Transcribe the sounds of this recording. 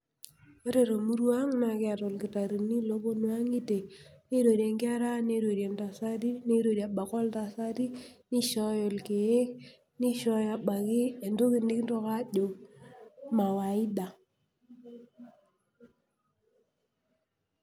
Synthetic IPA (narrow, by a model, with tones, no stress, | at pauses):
o˦ɾe˨ɾo˨mu˦ɾu˦a˦ŋna˨kɪ˦a˨tɔ˨lki˨ta˨ɾi˨ni˦lo˦bo˦nu˦a˦ŋi˦te˨ne˦ɾo˨ɾje˨ŋkɪ˦a˦ɾa˦ne˦ɾo˨ɾje˨nta˨sa˦ɾi˦ne˦ɾo˨ɾja˨ɓa˨kɔ˦lta˨sa˦ɾi˦ni˦ʃɔ˦jɔ˨lke˨e˦k | ni˦ʃɔ˦ja˨ɓa˨ki˦e˨ndo˦ki˨ndɪ˦knto˦ka˦ʄo˨ | ma˨wa˨i˦da˨